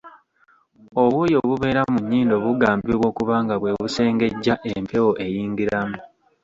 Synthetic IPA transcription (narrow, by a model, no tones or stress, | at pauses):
o̞βwoːjo̞βuβe̞ːɾamuɲːiːndo̞βuɡaːmbeβwo̞ːkuβaːŋɡaβwe̞ːβuse̞ːŋɡe̞ɟːaʔempʰe̞woʔe̞jiːŋɡiɾamu